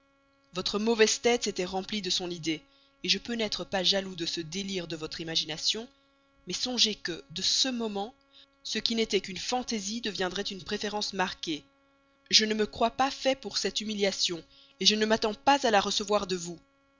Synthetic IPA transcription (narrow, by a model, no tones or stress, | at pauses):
vɔt̪χəmɔvɛz̥t̪ɛt̪set̪ɛʁɑ̃plid̪əsɔ̃nid̪e | eʒəpønɛt̪χəpaʒalud̪əsəd̪eliʁd̪əvɔt̪χimaʒinasjɔ̃ | mɛsɔ̃ʒekəd̪əsəmɔmɑ̃ | səkʲinet̪ɛkynfɑ̃t̪ezid̪əvjɛ̃d̪ʁɛt̪ynpχefeʁɑ̃smaʁkʲe | ʒənəməkχwapafɛpuʁsɛt̪ymiljasjɔ̃ | eʒənəmat̪ɑ̃pazalaʁəsəvwaʁd̪əvu